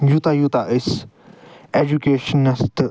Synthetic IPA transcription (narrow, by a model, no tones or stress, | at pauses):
jut̪ajut̪aʔes | ed͡ʒukeːʃənːɐst̪